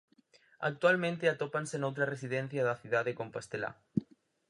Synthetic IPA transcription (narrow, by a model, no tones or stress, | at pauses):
a̰k̚t̪walmẽnt̪eat̪opansenowt̪ɾaresiðẽn̟θjaðaθiðaðekompast̪ela̰